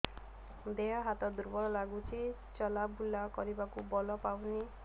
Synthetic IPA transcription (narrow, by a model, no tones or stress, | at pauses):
d̪ejɔɦat̪ɔd̪uɾbʌlɔlaɡut͡sʰi | t͡ʃʌlabulːakʌɾibakubɔlɔpawni